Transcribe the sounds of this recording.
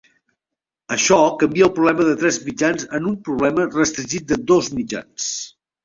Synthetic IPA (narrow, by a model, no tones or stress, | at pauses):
əʃɔkəmbiəlˠpɾuβlɛməðət̪ɾɛzmid͡ʒanzənumpɾuβlɛmərəst̪ɾiʒit̪̚d̪əd̪ozmid͡ʒa̰ns